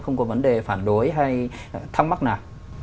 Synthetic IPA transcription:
xə˧wŋ͡mkɔ˨˦və˨˦nɗe˨˩faː˧˩nɗo˨˦jɦa˧j | t̪ʰa˧wŋ͡mma˦˥naː˨˩w

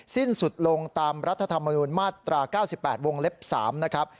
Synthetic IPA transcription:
si˥˩nsu˨˩t̪̚lo˧ŋt̪aː˧mɾa˦˥t̪ʰːa˧t̪ʰa˧mːa˧nuː˧nmaː˥˩t̪ɾaː˧kaː˥˩wsi˨˩pːɛː˨˩t̪̚wo˧ŋle˦˥p̚sa̰ː˩˦mna˦˥kʰɾa˦˥p̚

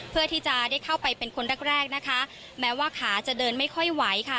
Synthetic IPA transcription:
pʰɯ˥˩ɐt̪ʰiː˥˩t͡ɕa˨˩daː˥˩jkʰa˥˩wpa˧jpe˧nkʰo˧nɾɛː˥˩k̚ɾɛː˥˩k̚na˦˥kʰa˦˥ | mɛː˦˥waː˥˩kʰaː˩˦t͡ɕa˨˩dɤː˧nma˥˩jkʰɔ˥˩jwa˦˥jkʰa˥˩

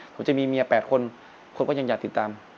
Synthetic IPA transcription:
pʰo˩˦t͡ɕa˨˩miː˧mi˧ɐpɛː˨˩t̪̚kʰo˧n | kʰo˧nkɔː˥˩ja˧ŋjaː˨˩k̚t̪i˨˩t̪ːaː˧m

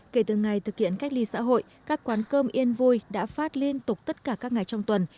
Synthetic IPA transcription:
ke˧˩t̪ɨ˨˩ŋa˨˩jt̪ʰɨ˨˩k̚hḭ˧˨ənka˦˥k̚li˧sa̰ː˧˥ɦo̰˧˨jkaː˦˥kːwaː˨˦nkəː˧mʔi˧ənvu˧jɗa̰ː˧˥faː˦˥t̚li˧ənt̪ʊ˨˩k͡p̚t̪ə˦˥t̚kaː˧˩kaː˦˥k̚ŋa˨˩jt͡ɕɔ˧wŋ͡mt̪wə˨˩n

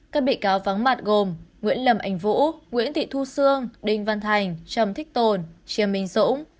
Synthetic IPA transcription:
kaː˦˥k̚ɓḭ˧˨kaː˨˦wva˨˦ŋma˨˩t̚ɣo˨˩mŋwḭ˧˥ənlə˨˩mʔa˨˩jŋ̟vṵ˧˥ŋwḭ˧˥ənt̪ḭ˧˨t̪ʰu˧sɨ˧əŋɗï˨˩ŋ̟va˧nt̪ʰa˨˩jŋ̟t͡ɕə˨˩mt̪ʰï˦˥k̚t̪o˨˩nt͡ɕi˨˦əmːï˨˦ŋ̟zʊ̰˧˥ŋ͡m

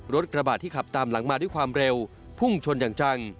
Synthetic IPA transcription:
ɾo˦˥t̪̚kɾa˧baː˨˩t̪ʰːiː˥˩kʰa˨˩p̚t̪aː˧mla˩˦ŋmaː˧du˥˩jkwaː˧mɾe˧w | pʰu˥˩ŋt͡ɕʰo˧njaː˨˩ŋt͡ɕa˧ŋ

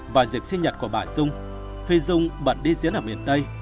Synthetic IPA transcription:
vaː˨˩zi˨˩p̚si˧ɲə˨˩t̚ku˧˩əɓaː˧˩jzʊ˧ŋ͡m | fi˧zʊ˧ŋ͡mɓə˨˩t̚ɗi˧zḭ˧˨˦əlaː˨˩wmḭ˨˩ənɗ̪ə˧j

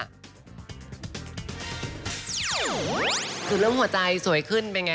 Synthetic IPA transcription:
kʰɯː˧˩lɤː˥˩mhu˩˦ɐt͡ɕa˧jsu˨˩˦əjkʰɯ˥˩npe˧nŋa˧

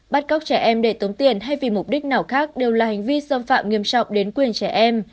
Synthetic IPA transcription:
ɓa˦˥t̚ka˦˥k͡p̚t͡ɕɛ˧˩ʔɛ˧mɗe˧˩t̪o˨˦ŋ͡mt̪i˨˩ənɦa˧jvi˨˩mʊ˨˩k͡p̚ɗï˦˥k̟̚naː˨˩wxaː˦˥k̚ɗe˨˩wlaː˨˩ha˨˩ŋ̟vi˧səː˧mfa̰ː˧˨mŋi˧˩əmt͡ɕɔ˨˩wk͡p̚ɗe˨˦nkwi˨˩ənt͡ɕɛ˧˩ʔɛ˧m

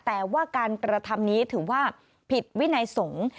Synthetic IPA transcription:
t̪ɛː˨˩waː˥˩kaː˧nkɾa˧t̪ʰa˧mniː˦˥t̪ʰɯː˩˦waː˥˩ | pʰi˨˩t̪̚wi˦˥na˧jso˩˦ŋ

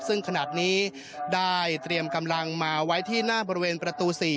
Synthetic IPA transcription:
sɯ˥˩ŋkʰa˧na˨˩t̪̚niː˦˥ | daː˥˩jt̪ɾi˧əmka˧mla˧ŋmaː˧wa˦˥jt̪ʰiː˥˩naː˥˩bɔː˧ɾi˦˧weː˧npɾa˧t̪uː˧siː˨˩

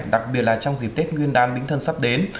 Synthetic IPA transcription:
ɗa˨˩k̚ɓi˨˩ət̚laː˨˩t͡ɕɔ˧wŋ͡mzi˨˩p̚t̪e˦˥t̚ŋwi˧ənɗaː˨˧˦nɓï˨˦ŋt̪ʰə˧nsa˦˥p̚ɗe˨˦n

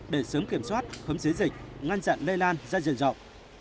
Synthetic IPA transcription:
ɗe˧˩səː˨˦mki˧˩əmswaː˦˥t̚xə˨˦mze˨˦zï˨˩k̟̚ŋa˧nza̰ː˧˨nle˧jlaː˧nzaː˧zḭ˧˨nzɔ̰˧˨wŋ͡m̚

